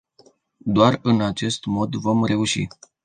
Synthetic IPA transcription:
d̪oarɨnat͡ʃe̞st̪mo̞d̪vo̞mre̞uʃḭ

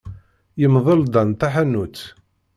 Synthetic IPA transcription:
jəmðˤəld̪ˤɑnt̪aħænːut͡sː

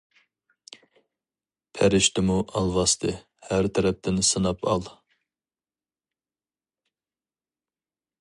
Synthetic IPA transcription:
pʰɛɾɪʃt̪ʰɪmuʔɑlˠvɑst̪ʰɨ | hæɾt̪ʰɛɾɛp̚t̪ʰɪnsɨnɑpʰɑlˠ

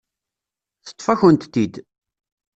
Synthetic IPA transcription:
θə̥t̪ˤːfæçənt̪t̪ːid̪

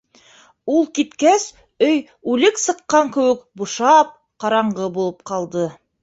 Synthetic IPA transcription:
ulˠkit̪kæs | ɵj | ʉlɘksɤ̆qːɑŋkɘ̆wɘkbuʃɑp̚ | qɑɾɑɴɢɤbulˠɤp̚qɑlˠd̪ɤ

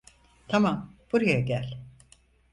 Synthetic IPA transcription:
t̪ʰamamb̥uɾajaɟælʲ

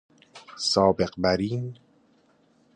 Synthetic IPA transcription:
sɒːbe̞ɢbæɾiːn

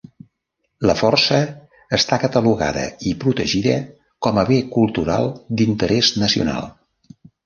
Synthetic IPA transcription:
ləfɔrsəː | st̪akət̪əluɣa̰ðə̰ipɾut̪əʒiðə | kɔməβekulˠt̪uɾa̰lˠd̪int̪əɾɛznəsiṵna̰lˠ

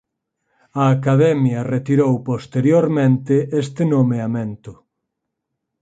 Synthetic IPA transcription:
ɐːkaðɛmjɐret̪iɾowpost̪eɾjoɾmẽnt̪ɪʔest̪ɪnomeamẽnt̪ʊ

